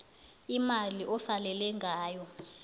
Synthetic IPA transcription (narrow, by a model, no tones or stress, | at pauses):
imaliʔɔsalɛlɛŋʱaːjɔ